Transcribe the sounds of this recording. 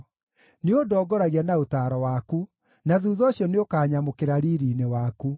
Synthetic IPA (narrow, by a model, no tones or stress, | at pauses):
neodɔɡɔɾaɣianaotaːɾɔwaku | naðuːðɔɕjɔneokaːɲamokeɾaɾiːɾinewaku